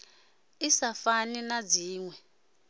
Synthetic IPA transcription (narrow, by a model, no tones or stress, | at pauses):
isafaninad͡ziːŋwɛ